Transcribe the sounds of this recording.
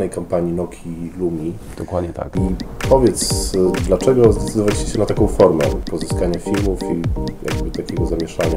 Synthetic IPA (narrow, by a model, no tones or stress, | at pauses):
nɛjkampaɲinɔkʲʰilumʲi | d̪ɔkwad̪ɲɛt̪a̰kipɔvʲjɛt̪sd̪lat͡ʂɛɡɔzd̪ɛt̪sɘd̪ɔvalʲit͡ɕɛ̥ɕɛnat̪akɔ̃w̃fɔɾmɛ̰pɔzɘskaɲafʲilmufija̰ɡ̚bɘt̪akʲɛɡɔzamʲjɛʂaɲa